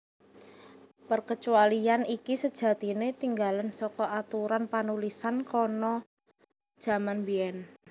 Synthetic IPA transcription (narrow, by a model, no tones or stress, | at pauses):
pərkət͡ʃualianikisəd̥ʒ̥ä̤t̪inet̪iŋɡalansɔkɔat̪uɾanpanulisankɔnɔ | d̥ʒ̥a̤manbiɛn